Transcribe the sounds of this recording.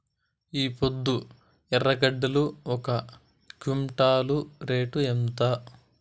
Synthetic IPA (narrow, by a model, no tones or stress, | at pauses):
iːpod̪ːu | ɛrːɐɡɐɖːɐluɔkɐ | kumʈaːluɾeːʈuemt̪ɐ